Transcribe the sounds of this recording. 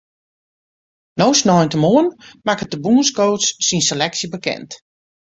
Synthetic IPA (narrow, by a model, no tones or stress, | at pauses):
nowsnɔjntəmoənmakətdəbuənskoːsːinselɛksjəbəkɛ̰nt